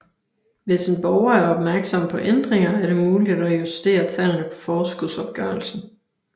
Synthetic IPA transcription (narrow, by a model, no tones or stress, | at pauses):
ʋe̝se̝nb̥ɒʊɐæɐɒ̽b̥mæɐɡ̥sɒ̽m̰pʰɒ̽ʔend̥ʁeŋɐæɐɾe̝muːlid̥ɒjusd̥e̝̰ːɐt͡sʰælnəpʰɒ̥̽fɒːsɡ̥uðˠsɒ̽b̥̚ɡ̥œːɐlsn̩